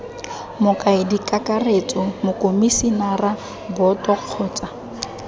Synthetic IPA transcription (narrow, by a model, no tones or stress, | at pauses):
mʊkʼaɪdikʼakʼaret͡sʼɔmʊkʼomisinara | bɔtʼɔq͡χʰɔːt͡sʼa